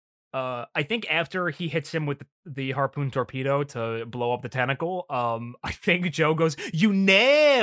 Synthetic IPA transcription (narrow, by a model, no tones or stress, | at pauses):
ʌaɪθɪ̃ŋkæftə˞ihɪtshɨ̃mwɨð | ðɨɦɑɹpʰʉ̃ntʰɔɹpʰiɾoʊɾəbloʊʌp̚ðɨtʰæñɨkl̩ˠʌ̃maɪθɪ̃ŋk̚d̥ʒ̥oʊɡoʊzjɨne